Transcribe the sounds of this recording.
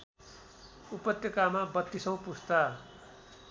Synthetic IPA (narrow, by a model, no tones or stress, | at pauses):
upʌt̪jʌkamabʌt̪ːisʌ̃w̃pust̪a